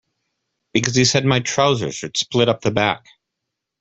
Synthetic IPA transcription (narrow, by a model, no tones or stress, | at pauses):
b̥ɨkʌz̥isɛd̚maɪtʰɹ̥aʊzə̰˞z̥ə̥˞splɪɾʌp̚ðɨbæ̰k